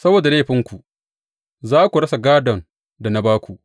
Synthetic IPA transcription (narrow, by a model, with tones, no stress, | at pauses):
sɐ˦boː˨da˨leː˦ɸɪ˦ŋkʷu˨ | zaː˦kʷu˨ɽɐ˦sa˨ɡaː˦dɔ˨n | da˨na˦baː˦kʷu˨ʔ